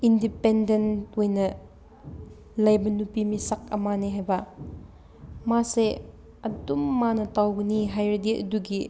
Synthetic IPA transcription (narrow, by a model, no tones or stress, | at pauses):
indipɛndent̚ujnɐ | lɐjbɐnupimisɐk̚ɐmaniɦajba | mase | ɐtumːanɐtawkniɦajɾdiʔduɡi